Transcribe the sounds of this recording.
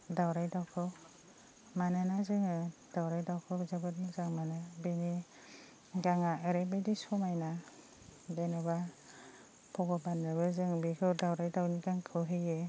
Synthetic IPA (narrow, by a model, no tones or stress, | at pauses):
dawɾajdawkʰɯw | manɯnazɯŋɯd̥awɾajdawkʰɯwbzabɯt̚mɯzaŋmanɯbeni | ɡaŋaɯɾebajdisɔmajna | benɯba | pʰɔɡɔbanɯbɯzɯŋbikʰɯwdawɾajdawniɡaŋkʰɯwɦɯje